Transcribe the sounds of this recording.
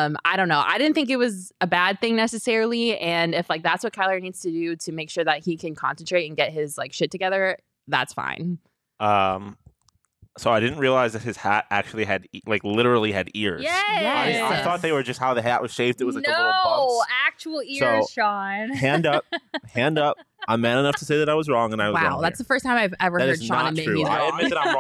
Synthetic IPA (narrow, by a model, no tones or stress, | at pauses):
ʌ̃ma̰ɪɾõʊ̃nːoʊʔa̰ɪɾɪdⁿn̩θɪ̃ŋkɨt̚wʌzɨbæd̪̚θɪ̃ŋnɛsɨsɛɹl̩ˠiɨ̃nɪflaɪk̚ðætswʌt̚kʰaɪlˠə˞nidz̥tɨdʉɾɨmeɪkʃʊɹðɨt̚hikʰɨ̃nkʰɑ̰̃nsən̩tʰɹ̥eɪɾɨ̃n̩ɡɛt̚ɦɪzlaɪkʃɪtʰɨɡɛðə˞ | ðæ̰tsfã̰ɪ̃n | ʌ̃m | soʊaɪɾɪdⁿn̩t̚ɹiəlaɪzðɨt̚hɨz̥hæ̰ɾæ̰k̚t͡ʃʉl̩ˠiɨɾlaɪklɪɾə˞l̩ˠiɨɾɪɹzjɛ̥jaɪaɪθɔt̪̚ðeɪwə˞d͡ʒʌst̚haʊðɨɦæʔwʔʌz̥ʃeɪvdɨt̚wʌano | æk̚t͡ʃuwl̩ˠɪsoʊʃɑnhæ̃ndʌp̚hæ̃ndʌp̚ | ãɪ̃mæɾənʌftʰəseɪðɨɾaɪwʌzɹɔ̃ŋə̃naɪwʌwaʊ̃ðætsðəfɜ˞stʰãɪ̃maɪvɛvə˞hðɨɾɨ˞zʃɑ̃nɨ̃neɪɹʉia̰ɪɨd̚mɪt̪̚ðɨɾãɪ̃